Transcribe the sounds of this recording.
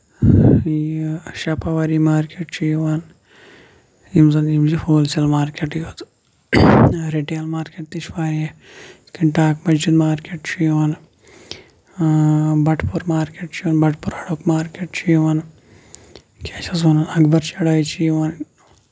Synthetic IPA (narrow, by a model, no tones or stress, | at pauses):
jʃɐpaʋaːɾimaːɾkeːʈt͡ʃʰijʋaːn | imzɐnimd͡ʒifoːlsɐlmaːɾkeʈjot̪ | ɾeʈijɐlmaːɾkeːʈ̚t̪iʃʋaːɾi | kiɳʈaːkmɐd͡ʒd͡ʒid̪maːɾkeːʈt͡ʃʰijʋɐn | bɐʈʰpuɾmaːɾkeːʈt͡ʃʰiɐːnbɐʈʰpuɾɐɽokmaːɾkʲeːʈt͡ʃʰijʋɐn | kʰʲat͡ʃʰɐsɐnnɐɡbɐɾt͡ʃɐɽaːjt͡ʃʰijʋaːn